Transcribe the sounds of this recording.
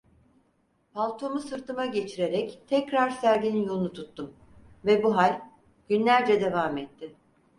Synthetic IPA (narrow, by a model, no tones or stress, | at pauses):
pʰalˠt̪ʰo̞musɯɾt̪ʰɯmaɟe̞t͡ʃʰiɾe̞ɾɛct̪ʰɛcɾaɾsæɾd̪ʲinjo̞lˠunut̪ʰut̪ʰːum | vɛbuɦalʲ | ɟ̥ynlʲæɾd͡ʒɛd̪e̞vaːmɛt̪ʰːɪ